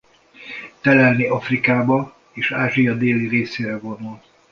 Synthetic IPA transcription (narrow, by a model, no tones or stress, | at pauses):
t̪ɛlɛlniʔɒfrikaːbɒ | eːʃaːʒijɒd̪eːlireːseːɾɛvo̞nul